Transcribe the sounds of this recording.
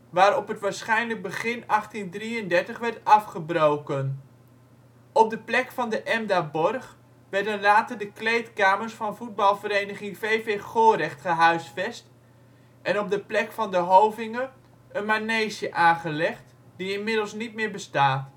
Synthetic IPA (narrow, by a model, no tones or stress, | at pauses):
ʋaːɾɔpətʋaːɹsχɛjnləɡ̚bəχɪnɑχtindriəndɛɹtəχʋɛɹtɑfχəbrowkən | ɔp̚dəplɛkfɑndəʔɛmdabɔrχ | ʋɛɹrdənraːtədəklejtkaːmərsfɑnfut̚bɑlˠvəɾejnəχɪŋveːveχoːrɛχtχəɦœɥsfɛst | ʔɛnɔp̚dəplɛkfɑndəɦowvɪŋə | ənmaneːsjəʔaːχəlɛχt | diɪnmɪdəl̩ˠsnit̚mɪːɹbəstaːt